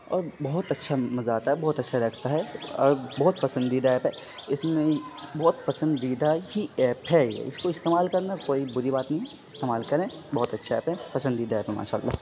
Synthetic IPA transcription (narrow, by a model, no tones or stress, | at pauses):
ɔ̰ːɾbɐɦʊt̪ɐtːʃʰamɐzaːt̪aɦɛbɔːt̪ɐtːʃʰaɾɐkʰt̪aɦɛːɾbɔːt̪̚pɐsə̃nd̪iːd̪aɛːpɦɛ | ɪsmẽbɔːt̪pɐsə̃nd̪iːd̪aɦiɛːpɦɛjḛɪskoɪst̪eːmaːlkɐɾnakoːibʊɾibaːt̪nɐɦĩ | ɪst̪eːmaːlkɐɾẽ | bɐɦʊt̪ɐtːʃʰaɛ̰ːpɦɛ̃pɐsə̃nd̪iːd̪aɛːpɦɛma̰ːʃa̰ːlːa̰ː